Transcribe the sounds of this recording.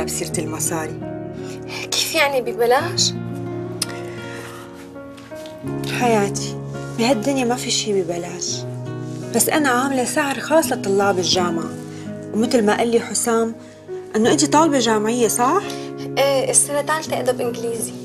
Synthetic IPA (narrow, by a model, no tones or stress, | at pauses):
absiːɾt̪ɪlmɑsˤɑːɾi | ki̥ːfjaʕnibibalaːʃ | ħajaːt̪ʰi̥bihad̪ːɪnimafiʃiːbibalaːʃ | b̥asːʔanaʕaːmlesaʕɾˤxɑːsˤːɑt̪ˤʊlːɑːbɪlʒaːmʕ | wmɪt̪lmaʔalːiħʊsaːm | ʔɪnːoʔɪnt̪it̪ˤɑːlbɑʒaːmʕɪjːasˤɑħʔːʔɪsːanat̪aːlt̪ɪʔd̪abʔɪnɡliːzi